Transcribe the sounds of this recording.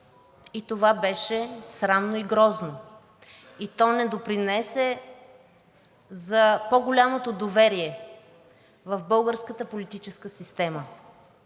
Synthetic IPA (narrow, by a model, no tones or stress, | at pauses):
it̪ovabɛʃɛsɾamnoiɡɾɔzno | it̪ɔnɛd̪opɾinɛsɛ | zɐpoɡolʲamot̪od̪ovɛɾiɛ | vəvbɤlˠɡəɾskət̪əpolit̪it͡ʃɛskəsist̪ɛmə